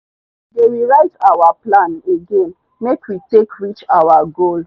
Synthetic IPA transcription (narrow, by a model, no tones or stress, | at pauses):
dewiɹaɪtawaplãneɡẽn | mekwitekɹit͡ʃawaɡol